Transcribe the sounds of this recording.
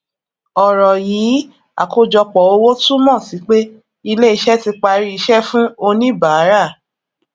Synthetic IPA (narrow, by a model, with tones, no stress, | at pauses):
ɔ˨ɾɔ˨jiː˨˦ | a̰˨ko˦d͡ʒɔ˧k͡pɔ˨o˧wo˦tu˦mɔ̃˦˨si˨˦k͡pe˦ | i˧le˦i˧ʃɛ˦ti˧k͡pa˧ɾi˦i˧ʃɛ˦fũ˦o˧nĩ˦ba˨˦ɾa˦˨